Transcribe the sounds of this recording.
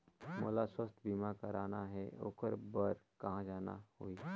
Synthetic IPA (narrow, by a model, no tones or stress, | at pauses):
mo̰ːlaswəst̪ʰbiːmakəɾaːnaɦɛo̰ːkəɾbəɾkɐɦãd͡ʒaːna̰hoiː